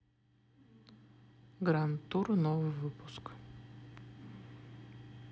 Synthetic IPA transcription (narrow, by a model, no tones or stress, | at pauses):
ɡɾant̪uɾnɔvvɨpusk